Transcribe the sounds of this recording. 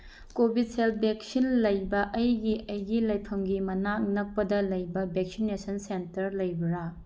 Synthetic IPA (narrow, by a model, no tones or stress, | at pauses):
kobid̚selp̚ʰbek̚sinlɐjbɐʔɐjɡiʔɐjɡilɐjpʰɐmɡimɐnak̚nɐk̚pɐdɐlɐjbɐbʱek̚sinesɐnsentɐɾlɐjbɐɾa